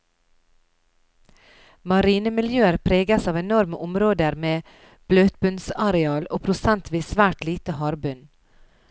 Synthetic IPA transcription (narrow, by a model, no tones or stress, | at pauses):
mɑɾiːnəmɪljøːəɾpʰɾeːɡəsɑːʋɛnɔɾməʔʊmɾoːd̪əɾmeː | b̥løːt̪̚bʉnsɑɾɛɑːlo̰ːpʰɾʊsænt̪ʰʋiːsʋæːʈliːt̪əhɑːɾbʉn